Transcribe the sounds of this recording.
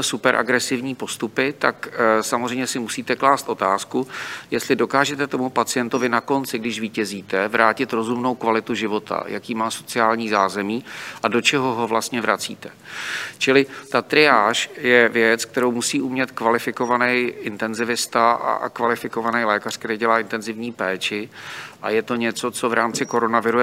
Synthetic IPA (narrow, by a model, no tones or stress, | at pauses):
supɛɾʔa̰ɡɾɛsɪvɲiːpo̞st̪upɪt̪aksamozrɛjmɲɛsɪmusiːt̪ɛklaːst̪ʔo̞t̪aːskujɛst̪lɪdo̞kaːʒɛt̪ɛt̪o̞mupat͡sɪjɛnt̪o̞vɪnako̞nt͡sɪɡdɪʃviːcɛziːt̪ɛvɾʔaːcɪt̪ɾo̞zumnowkvalɪt̪uʒɪvo̞t̪ʰa̰jakiːmaːso̞t͡sɪaːlɲiːzaːzɛmiːʔado̞t͡ʃɛɦo̞ɦo̞vlast̪ɲɛvɾa̰t͡sḭːt̪ɛ | t͡ʃɪlɪt̪at̪ɾɪaːʃjɛvjɛt͡sk̚t̪ɛɾo̞wmusiːʔumɲɛt̪kvalɪfɪko̞vanɛjʔɪnt̪ɛnzɪvɪst̪aʔa̰kvalɪfɪko̞vanɛjlɛːkar̝̥k̚t̪ɛɾejɟɛlaːʔɪnt̪ɛnzɪvɲiːpɛːt͡ʃɪʔa̰jɛt̪o̞ɲɛt͡so̞t͡so̞vɾaːmt͡sɪko̞ɾo̞navɪɾu